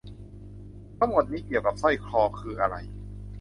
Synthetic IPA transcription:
t̪ʰa˧˥ŋmo˨˩t̪̚niː˦˥ki˨˩əwka˨˩p̚sɔ˥˩jkʰlɔː˧kʰɯː˧ʔa˧ɾa̰˧j

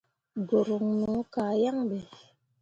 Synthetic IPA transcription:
ɡo˨ɾo˨ŋno˨˦kaː˨ja˦ŋbɛ˨

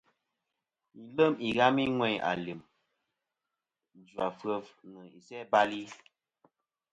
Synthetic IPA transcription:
i˨lə˦mi˨ɣa˦mi˦ŋwɛ˦˨a̰˨li˨m | n̩˨d͡ʒwa˨fə˦vnə˨i˨sɛ˦ba˦li˦

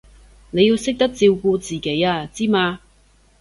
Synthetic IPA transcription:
ne˨˧ji˧wsɪ˥k̚t̪ɐ˥k̚t͡siː˧wkuː˧t͡siː˨˩ke˨˥jaː˧t͡siː˥maː˧

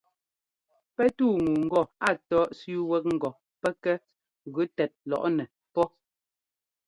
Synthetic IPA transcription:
pɛ˦tuː˦˨ŋuː˨ŋ̩˨ɡɔ˦˨a˨tɔː˦ʔsu˦wɛ˦k̚ŋ̩˨ɡɔ˨ | pɛ˦kɛ˦ | ɣʉ˨˦tɛ˨t̚lɔ̰˨ʔnɛ˨ | pɔ˦

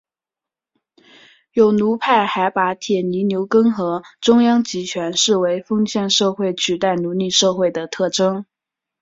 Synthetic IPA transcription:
jo˨˩ʊnu˧˥pʰa˥˩ɪxa˧˥ɪpa˧˥t̪ʰjɛ˨˩ni˧˥njo˧˥ʊkɤ˥ŋxɤ˧˥ʈ͡ʂʊ˥ŋjɑ˥ŋt͡ɕi˧˥t͡ɕʰɥɛ˧˥nʂɻ̩˥˩we˧˥ɪfɤ˥ŋɕjɛ˥˧nʂɤ˥˧xwe˥˩ɪt͡ɕʰy˨˩t̪a˥˩ɪnu˧˥li˥˧ʂɤ˥˧xwe˥˩ɪd̪ə˩t̪ʰɤ˥˩ʈ͡ʂɤ˥ŋ

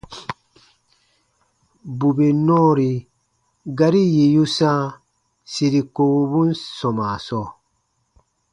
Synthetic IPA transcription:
bu˨be˨nɔ̃ː˦ɾi˨ | ɡa˨˦ɾi˦ji˨ju˦sã˦ | si˨ɾi˨ko˨wu˨bũ˦n˦sɔ̃˨ma˨sɔ˦˨

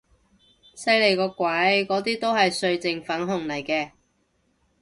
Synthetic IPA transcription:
sɐ˧jle˨˩jkɔː˧kʷɐ˨˥jkɔː˨˥t̪iː˥t̪o˥whɐ˨jsɵ˧ɥt͡sɪ˨ŋfɐ˨˥nɦʊ˨˩ŋlɐ˨˩jkɛː˧

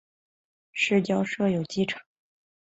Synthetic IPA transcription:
ʂɻ̩˥˩t͡ɕjɑ˥ʊʂɤ˥˩jo˨˩ʊt͡ɕi˥ʈ͡ʂʰɤ̥˨˩˦ŋ

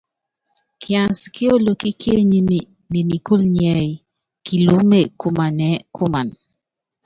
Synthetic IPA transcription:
kʰjã˨nskɪ˦o˦lo˨ki˦ke˦ɲi˦mi˨ | ne˨ni˨ku˦lɲɛ˨j | ki˨lu˦me˨ku˦ma˨nɛ˨˦kʊ˦ma˨n

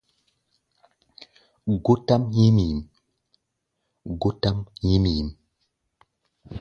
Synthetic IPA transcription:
ɡo˦ta˦mɲi˦mi˨m | ɡo˦ta˦mhi˦mi˨m

